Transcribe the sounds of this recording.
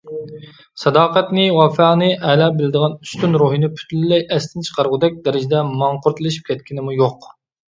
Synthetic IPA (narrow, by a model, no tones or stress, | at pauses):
sɑd̪ɑːqɛt̪nɪwɑfæqnɨʔɛlɑbɪlɪd̪əʁɑny̥st̪ynɾoɦinɪpʰy̥t̪ʰllːɛjʔɛst̪ʰɪnt͡ʃʰə̥qʰɑɾʁʊd̪ɛk̚ʲd̪ɛɾɪd͡ʒɪd̪ɛmɑɴqʊɾt̪ʰɨlˠɪʃi̥p̚kʲʰɛt̪̚kʲʰinɪmujoq